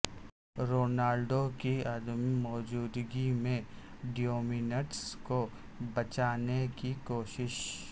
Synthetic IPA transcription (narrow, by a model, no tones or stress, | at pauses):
ɾoːnaːlɖokiɐd̪mimɔːd͡ʒuːd̪ɡimẽ | ɖijoːmɪnəʈsko | bɐt͡ʃaːnekikoːʃɪʃ